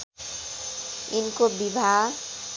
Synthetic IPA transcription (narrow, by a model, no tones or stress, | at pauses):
inkobibʱa